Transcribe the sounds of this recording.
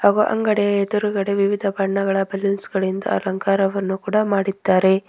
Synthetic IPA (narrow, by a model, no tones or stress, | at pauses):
haːɡuʔɐ̰ŋɡɐɽɛjɐed̪uɾuɡɐɽeʋiʋid̪ʱɐpɐɳːɐɣɐɭɐbɐlːunsɡɐɭind̪ɐ̰ɐ̰lɐŋkaːɾɐʋɐnːukuːɽɐmaːɽid̪ːaːɾe̞